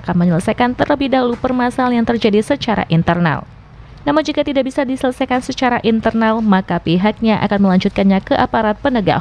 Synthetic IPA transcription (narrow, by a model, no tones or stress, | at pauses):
akanməɲələsajkant̪ərləbihdaulupərmasaljaŋt̪ərd͡ʒadisət͡ʃaɾa̰ʔint̪ərna̰l | namuɲd͡ʒikat̪idaʔbisadisələsajkansət͡ʃaɾaʔint̪ərnalmakapiɦak̚ɲaʔa̰kanməlaɲd͡ʒut̪̚kanɲakəʔapaɾat̪̚pənəɡa̰h